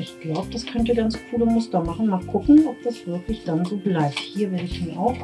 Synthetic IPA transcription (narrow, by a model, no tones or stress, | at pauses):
ʔɪçɡ̥laʊbəd̥askʰœntəɡant͡skʰuːləmʊstɐmaχn̩maːlkʰʊkŋ̩ʔɔp̚d̥asv̥ɪɐklɪçd̥anzoːblaɪp̚thiːɐvɛlɪçniːʔaʊx